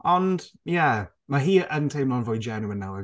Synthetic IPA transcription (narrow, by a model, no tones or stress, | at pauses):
ɔnd̥jɛ | maɦiːʔəntʰejmlˠɔnvojd͡ʒɛnəmənːawɛ̥